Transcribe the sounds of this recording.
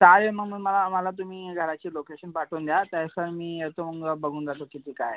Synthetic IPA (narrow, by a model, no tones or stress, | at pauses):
t̪aɾeməɡməməlamalat̪̬um̤iːɡʱəɾat͡ɕiːlokeɕənpaʈʰuːnd̪jat̪ajsəɾmiːet̪oməɡəbəɡʱuːnd͡zat̪okit̪iːkaj